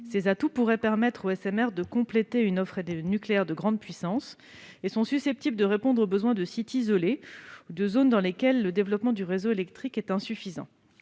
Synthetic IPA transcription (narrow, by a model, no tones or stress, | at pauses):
sezat̪upuʁɛpɛʁmɛt̪χoɛsɛmɛʁd̪əkɔ̃plet̪eynɔfχed̪enykleɛʁd̪əɡʁɑ̃d̪̚pɥisɑ̃s | esɔ̃sysɛp̚t̪ibləd̪əʁepɔ̃d̪ʁobəzwɛ̃d̪əsit̪izɔleud̪əzond̪ɑ̃lekʲɛlːəd̪evlɔpmɑ̃d̪yʁezoelɛk̚t̪χikɛt̪ɛ̃syfizɑ̰̃